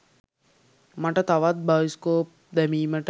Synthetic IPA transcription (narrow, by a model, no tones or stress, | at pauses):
mɐʈɐt̪ɐʋat̪̚baːiskoːp̚d̪ɛmiːməʈ